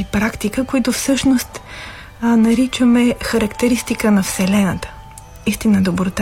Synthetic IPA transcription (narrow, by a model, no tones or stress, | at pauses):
ipɾakt̪ikəkoit̪ʊfsɤʃnost̪ | nɐɾit͡ʃəmɛxɐɾɐkt̪ɛɾist̪ikənɐfsɛlɛnət̪ə̥ | ist̪inəd̪obɾot̪a